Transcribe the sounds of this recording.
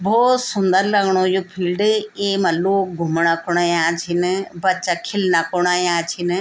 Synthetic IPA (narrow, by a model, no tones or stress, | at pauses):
bʱoːsʊ̃nd̪əɾləɡɽ̃ojoːpʰiːlɖemɐluɡʱʊmɽ̃akoɽ̃ajãːt͡ʃʰinbɐt͡ʃakʰɪlnakoɽ̃ajãːt͡ʃʰin